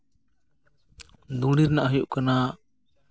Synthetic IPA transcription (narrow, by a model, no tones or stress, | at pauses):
d̪ũɽiɾnaʔɦəjuʔkana